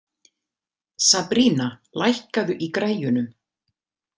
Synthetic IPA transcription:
sapɾiːnalʔajhkaðʏʔikɾaːjjʏnʏm

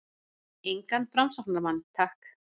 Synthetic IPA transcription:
ejŋkanfɾamsak̚naɾmanːt̪ʰahk

